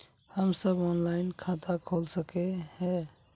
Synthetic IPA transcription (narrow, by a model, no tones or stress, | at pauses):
həmsəbɔnlaɪnkʰat̪akʰolsəkehɛ